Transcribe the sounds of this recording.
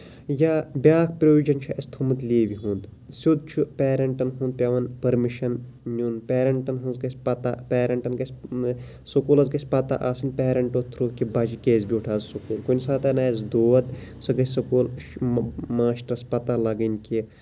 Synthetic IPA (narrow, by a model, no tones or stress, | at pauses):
jaːbʲaːk̚ʰpɾoʋid͡ʒɐnt͡ʃʰuʔɐst̪ʰumɨt̪liːʋiɦũːnd̪ | sʲud̪̚t͡ʃʰupʲeːɾɐɳʈɐnɦũnd̪̚pʲɐʋɐnpɐɾmiʃɐn | nʲunpʲeːɾɐɳʈɐnɦunzɡɐsʲpɐt̪a̰peːɾɐɳʈɐnkɐsʲ | sukuːlɐzɡɐsʲpɐt̪a̰ʔaːsinpʲeːɾɐɳʈoːt̪ʰɾoːkibɐt͡ʃikeːzbiuʈʰaːzsukuːlkunʲsaːt̪ɐnɐːɐzd̪oːɐt̪sɨɡɐsɐkuːl | maːʃʈɐɾɐspɐt̪alɐɡɐnʲkʲi